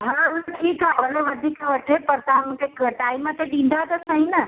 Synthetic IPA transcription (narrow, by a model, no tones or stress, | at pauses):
ɦãuʈʰikɦaəleʋəd̪ʱikəʈʰepəɾt̪amukekʈaimːẽt̪eɖĩnd̪ʱat̪əsəɦĩnə